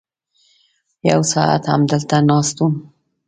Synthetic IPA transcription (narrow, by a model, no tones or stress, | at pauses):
jawsɑa̰t̪ha̰md̪əlt̪anɑst̪um